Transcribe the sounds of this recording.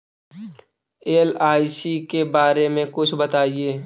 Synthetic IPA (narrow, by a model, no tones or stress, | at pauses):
eːlaːɪsikebaːɾemẽkʊt͡ʃʰbɐt̪aːieː